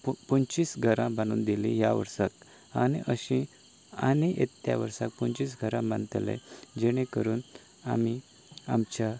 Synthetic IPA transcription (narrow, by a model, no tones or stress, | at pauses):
ppɔnt͡ɕisɡʱəɾãbanṵːnd̪ilĩɦjaʋə̰ɾsak | aniʔəɕĩ | aniʔet̪ːja̰ʋəɾsak̚punt͡ɕisɡʱəɾãbãnt̪elḛ̃d͡ʑeɽ̃ẽkəɾuːn | a̰mi | amt͡ɕa